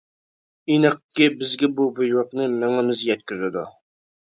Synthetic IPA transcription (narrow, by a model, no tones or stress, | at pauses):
inəqkʲːɪbɪzɡʲɛbubujwəqnɨmæŋɪmɪzjɛt̪̚kʲyzɪd̪u